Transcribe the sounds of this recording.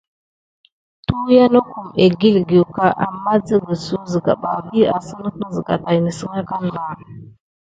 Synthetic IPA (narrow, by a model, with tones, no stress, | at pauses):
tu˦ja˦na˦ku˨me˨ɡi˦lɡi˨u˨ka˦ʔa̰˨mːa˦d͡zə˦ɡə˨su˦zə˨ɡa̰˨ɓa̰˨bi˦a˨sə˦nə˦kzə˨ɡa̰˨ta˨jnə˨sə˦ŋa˦ka˦n˨la˨